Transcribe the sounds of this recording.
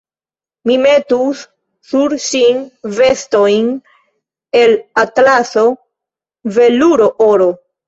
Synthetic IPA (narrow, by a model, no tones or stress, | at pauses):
mime̞tusː | uɾʃinve̞sto̞jn | e̞latlaso̞ | ve̞luɾo̞ʔoɾo̞